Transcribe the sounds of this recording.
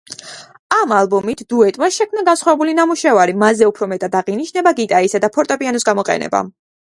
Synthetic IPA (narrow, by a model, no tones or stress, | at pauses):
amalˠbɔmit̪ʰd̪̥uɛt̪ʼmasʃɛkʰmnaɡansχwavɛbulinamuʃɛvaɾimazɛupʰɾɔmɛt̪ʼad̪aʁiniʃnɛbaɡit̪ʼaisad̪apʰɔɾt̪ʼɔpʼianɔsɡamɔqʼɛ̰nɛ̰ba̰